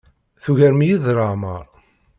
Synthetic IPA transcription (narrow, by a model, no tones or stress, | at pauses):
θuʝæɾmijiðɾˤəʕməɾˤ